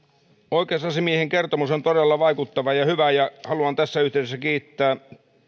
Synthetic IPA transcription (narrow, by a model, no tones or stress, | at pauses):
oikeɑsɑsimieheŋkert̪omusont̪oɾelːɑʋɑikut̪ːɑʋɑjɑhyʋæjɑhɑluɑnt̪æsːæyht̪ĕˑesːækiːt̪ːæː